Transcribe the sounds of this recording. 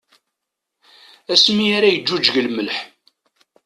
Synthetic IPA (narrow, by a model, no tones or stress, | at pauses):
æsmiaɾajəd͡ʒːud͡ʒʝəlməlħ